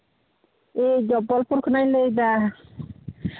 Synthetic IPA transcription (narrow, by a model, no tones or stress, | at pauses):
ed͡ʒɔbɔlpuɾkʰɯnajlejd̪a